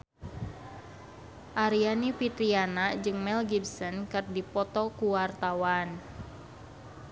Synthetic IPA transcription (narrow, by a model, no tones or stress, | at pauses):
ʔaɾianipit̪ɾianad͡ʒɨŋmɛlɡibsənkɨrdipɔt̪ɔkuwart̪awan